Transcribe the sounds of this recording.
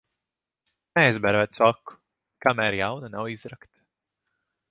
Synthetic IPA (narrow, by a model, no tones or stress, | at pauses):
nɛɛzbɛɾvɛːt̪̚sɔkːu̥ | kamæːɾjawnanawizɾakt̪